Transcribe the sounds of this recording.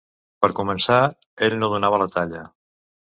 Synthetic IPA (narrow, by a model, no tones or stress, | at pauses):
pəɾkumənsa | eʎnoðunaβ̞ələt̪aʎə